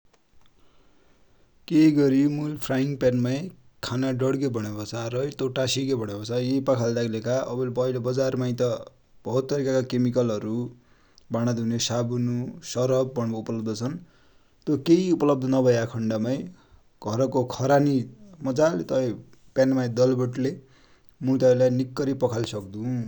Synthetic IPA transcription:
keɡʌɾimulpʰraiŋɡpanmaj | kʰanaɖʌɽɡʌbʱʌɽ̃ebʌt͡sʰaɾʌjt̪oʈasiɡʌbʱʌɽ̃ʌbʌt͡sʰajepʌkʰald̪akʰlekaʔʌbʌlpʌɦilobʌd͡zarmajt̪ʌ | b̥ʌɦut̪ːʌɾikakakemikʌlʌɾu | baɽ̃ad̪ʱunesabunusʌɾʌb̚ːʌɽoupʌlʌb̚d̪ʌt͡sʰʌn | t̪okeiupʌlʌb̚d̪ʌnʌbʱʌjakʰʌɳɖamaj | ɡ̥ʱʌɾkokʰʌɾanimʌd͡zalt̪ʌʌ | pjanmajd̪ʌlbʌʈle | mut̪ʌlanikːʌɾipʌkʰalsʌkd̪ũ

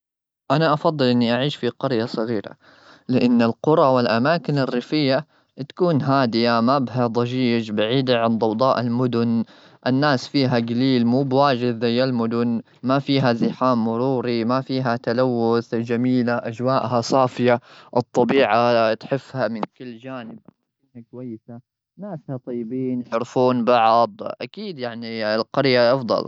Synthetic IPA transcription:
ʔanaʔɑfɑd̪ˤːɨlʔɪnːiʔaʕiːʃfiqɑɾjasˤɨɣiːɾa̰ | lɪʔanːɪlqʊɾˤɑwɪlʔamaːkɪnɪrːɪfɪjːa | t̪ḁkuːnɦaːd̪ɪjamabɦad̪ˤɑd͡ʒiːʃbaʕiːd̪aʕand̪ˤɑwd̪ˤɑːʔɪlmʊd̪ʊn | ʔɪnːaːsfiːɦaɡaliːlmuːbwaːd͡ʒɪd̪zajːalmʊd̪ʊn | mafiːɦazɪħaːmːʊɾuːɾimafiːɦat̪alawːʊθd͡ʒamiːlaʔad͡ʒwaːʔɦasˤɑːfɪjaʔɨt̪ˤːɑbiːʕat̪ħɪfːhamɪnkɪlːd͡ʒaːnɪb̚ʔa | iːnakwajːɪsa | naːshat̪ˤɑjːbiːnħʊɾfuːnbɑʕd̪ˤʔa̰kiːd̪jaʕnilqɑɾjaʔɑfd̪ˤɑ̰l

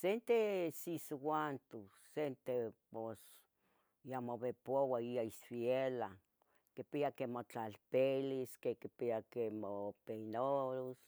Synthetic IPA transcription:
sent̪esiswant̪u | sent̪epos | jamoβepowaiaisfjela | kepiakemot͡ɬalpeliskekipiakemopenoɾos

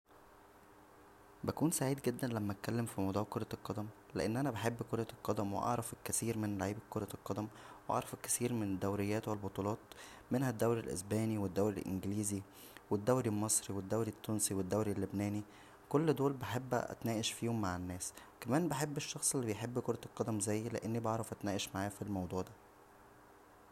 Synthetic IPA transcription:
bækuːnsaʕiːd̪ɡed̪ːænlæmːæt̪̚kælːemfimɑd̪ˤɑːkoɾˤɑlqːɑd̪æm | leʔenːʔænæbeħebːkoɾˤɑlqɑd̪æmwḛʔɑ̰ʕɾˤɑfelkæsiːɾmenlaʕiːbkːoɾˤɑlqɑd̪æmwʔɑ̰ʕɾˤɑfelkæ̥siːɾmened̪ːæwɾejːæːt̪welbot̪ˤuːlɑːt̪ | menhæd̪ːæwɾilʔḛsbæːniwed̪ːæwɾilʔḛnɡliːzi | wed̪ːæwɾilmɑsˤɾiwed̪ːæwɾit̪ːuːnsiwed̪ːæwɾilːebnæːni | kolːd̪oːlbeħebːʔæ̰t̪næːʔeʃfiːhomːaʕenːæːskæmæːnbeħebːeʃːɑxsˤelːibejħebːkoɾˤɑlqɑd̪æmzæjːlḛʔenːibɑʕɾˤɑfʔæt̪næːʔeʃmaʕaːfilmɑwd̪ˤuːʕd̪æ

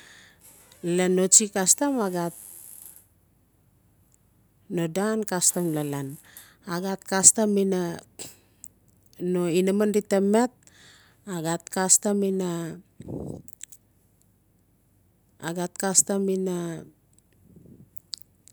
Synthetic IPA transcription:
lenot͡ʃikastamaɡat̚ | nodankastamlalan | aɡat̚kastamina | noinamanditemet̚ | aɡat̚kastamina | a̰ɡat̚kastamina

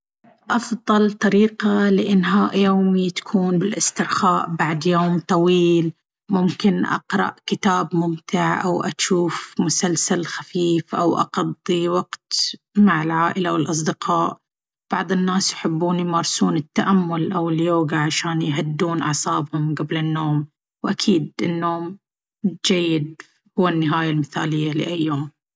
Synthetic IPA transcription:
ʔɑfðˤɑlt̪ˤɑɾiːqalɪʔɪnːɦaːʔjoːmit̪ḁkʰuːnbɪlʔɪst̪ɪʕxaːʔbaʕd̪joːmt̪ˤɑwiːl | mʊmkɪnʔɑ̰qɾˤɑ̰ʔkɪt̪aːbmʊmt̪ɪʕʔa̰wʔaʃuːfmʊsalsalxafiːfʔa̰wʔɑ̰qɑd̪ˤːiwɑɡt̪ | maʕɪlʕaːʔɪlawɪlʔɑs̬ˤd̪ɪqɑːʔ | b̥ɑʕðˤɨnːaːsjħɪbːuːnimɑɾˤsuːnɪt̪ːaʔamːʊlʔawɪljoːɡaʕaʃaːnjɦad̪ːuːnʔɑ̰ʕsˤɑːbhʊmɡablɪnːoːm | wʔakʰiːd̪ʔɪnːoːm | d͡ʒajːɪd̪̚ | hʊwːanːɪɦaːjalmɪθa̰ːlɪjːalɪ̰ʔajːoːm

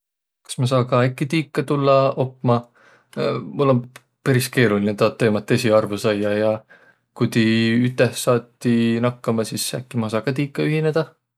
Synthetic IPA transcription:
kɑ̥smɑs̬ɑːkɑækːit̪iːkːɑt̪ulːɑo̞pːˑmɑ | mulːo̞n | pæɾiske̞ːɾulinet̪ɑt̪ːe̞ːmɑt̪ˑːesʲiɑrvusɑjːɑjɑ | kut̪iyt̪ːˑehsɑːt̪ːinɑkːɑmɑsisæ̰kːimɑsɑːkɑt̪̬iːkːɑyɦine̞d̪̥ɑ

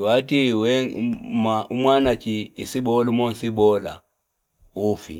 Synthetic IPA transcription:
watiwɛmaumwanat͡ʃiːsibɔlumɔn̩sibɔla̰ | ufḭ

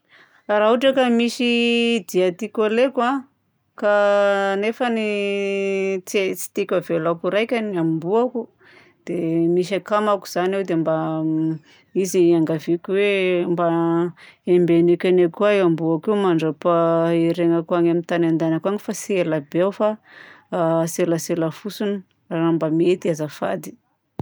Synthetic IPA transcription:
rauʈ͡ʂakəmisid̪iat̪ikoleka | kanefəni | t͡set͡si̥t̪ikʲavelakuɾajkʲanambuaku | d̪̥emisakamaku̥z̥anewd̪emba | iziaŋɡavikʲuwemba | embenekʲanekuaeambuakiumaɳɖ͡ʐapaeɾeŋakuaɲamint̪anand̪anakaŋifasielabeawfa | selaselafusuni | aɾambamet̪iazafa̰d̪i̥

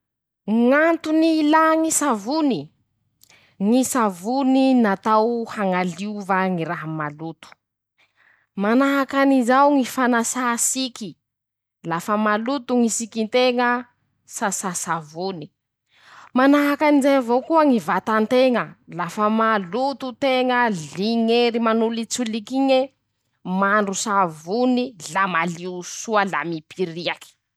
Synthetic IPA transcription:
ŋant̪unilaŋisavuni | ŋisavuninat̪awhaŋaliuvaŋiɾaɦəmalut̪u̥ | manaɦakanizawŋifanasasikʲi | lafəmalut̪uŋisikint̪eŋə | sasasavuni̥ | manaɦakanizajvokuəŋivat̪ant̪eŋəlafəmalut̪ut̪eŋəɮiŋeɾimanulit͡sulikiɲe | maɳɖ͡ʐusavunilamaliusuəla̰mipʰiɾiaki̥

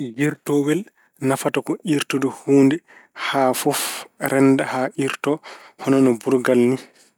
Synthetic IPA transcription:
ɡiɾtɔwɛl | nafatakɔʔiɾtɔdɔhuːndɛ | hafɔfɾɛndahaʔiɾtɔ | hɔnɔnɔbuɾɡalni

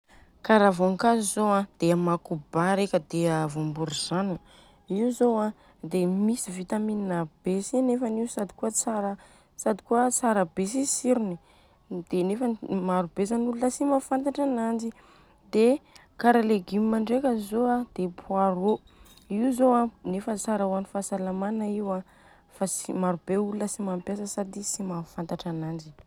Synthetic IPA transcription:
kaɾavoŋkazizoãd̪̥eamakubaɾekʲəd̪eəvumbuɾiz̥ani | iuzoã | d̪emisivit̪amininəb̥esinefaniusad̪ikuət͡saɾə | sad̪i̥kuət͡saɾəbes̬isiɾini | d̪̥enefamaɾub̥ezanulunəsimafant̪aʈ͡ʂanand͡ʒi | d̪e | kaɾaleɡimimaɳɖ͡ʐekəzoad̪̥epʰuaɾo | iuzoanefət͡saɾawanifasalamanaiwa | fasimaɾub̥eulunəsimampjasəsad̪isimafant̪aʈ͡ʂanand͡ʒi̥

